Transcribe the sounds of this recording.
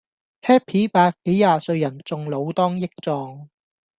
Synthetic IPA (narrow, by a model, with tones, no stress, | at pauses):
hɛː˥pʰiː˨˥paː˧kːe˨˥jːaː˨˧sɵ˧ɥjɐ˨˩nt͡sʊ˨ŋlo˨˧wt̪ɔː˥ŋjɪ˥k̚t͡sɔː˧ŋ